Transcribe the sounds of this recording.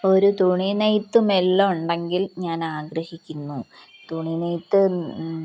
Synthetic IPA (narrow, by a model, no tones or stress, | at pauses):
o̞ɾut̪uɳinejt̪ːumelːouɳɖe̞ŋɡilɲaːnaːɡɾɐhikʲːunːu | t̪uɳinejt̪ːɨ